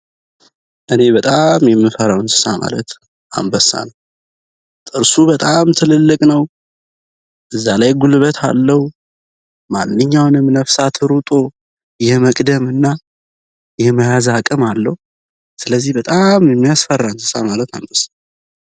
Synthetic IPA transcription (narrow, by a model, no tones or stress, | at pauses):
ʔɨne̞bət̪ʼamjɛmːɨfəɾawɨnsɨ̥sama̰lə̰t̪ | ʔa̰mbəsːa̰n | t̪ʼɨɾsubət̪ʼamt̪ʰɨlɨlːɨkʼnəw | ʔɨzːalajɡulβət̪ʰa̰lːəhu | manːɨɲːawnɨmnəfsat̪ʰɨɾut̪ʼo | jɛməkʼd̪əmɨnːa | jɛməjazakʼɨmalːəhu | sɨləzːihbət̪ʼamjɛmːijasfərːansɨ̥samalət̪a̰mbəsḁ